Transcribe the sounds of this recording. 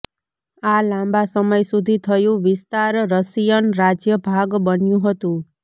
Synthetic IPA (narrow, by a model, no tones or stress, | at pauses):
alãmbasəməjsud̪ʱit̪ʰəjũʋɪst̪aɾɾəsijənɾad͡ʒjəbʱaɡbənjũɦət̪ũ